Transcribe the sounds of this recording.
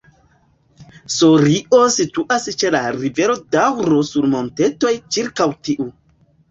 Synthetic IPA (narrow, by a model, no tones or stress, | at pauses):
soɾiʔosituʔast͡ʃelaɾiveɾodawɾosuɾmonteto̞jt͡ʃiɾkawtiʔu